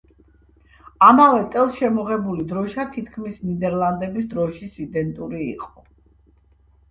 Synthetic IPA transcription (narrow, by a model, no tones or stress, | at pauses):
amavɛt̪ʼɛlˠsʃɛmɔʁɛbulid̪ɾɔʃat̪ʰit̪ʰkʰmisnid̪ɛɾlˠand̪ɛbisd̪ɾɔʃisid̪ɛnt̪ʼuɾḭːqʼɔ̥